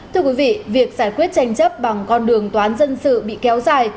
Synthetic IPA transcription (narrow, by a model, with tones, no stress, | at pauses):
t̪ʰɨ˧əkwi˨˦vḭ˧˨vi˨˩ək̚saː˧˩jkwi˦˥ət̚t͡ɕa˧jŋ̟t͡ɕə˦˥p̚ɓa˨˩ŋkɔ˧nɗɨ˨˩əŋt̪waː˨˦nzə˧nsɨ̰˧˨ɓḭ˧˨kɛ˨˦wzaː˨˩j